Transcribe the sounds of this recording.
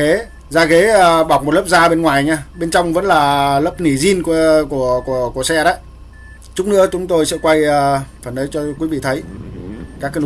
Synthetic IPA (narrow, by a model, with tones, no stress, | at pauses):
e˨˦ | zaː˧˩ɣe˨˦əː˨˩ɓa˨˩wk͡p̚m˨˩t̚lə˦˥p̚zaː˧ɓe˧nŋwaː˨˩jɲaː˧ɓe˧nt͡ɕɔ˧wŋ͡mvə̰˧˥nlaː˨˩lə˦˥p̚ni˧˩zi˧nkəku˧˩əku˧˩əku˧˩əsɛ̰˧˥ɗə̰˨˦j | t͡ɕʊ˦˥k͡p̚nɨ̰˧˥ət͡ɕʊ˨˦ŋ͡mt̪o˧jsɛ̰˧˥kwa˧jːfa˧˩nʔəː˨˦jt͡ɕɔ˧kwi˨˦vḭ˧˨t̪ʰə˨˦j | kaː˦˥k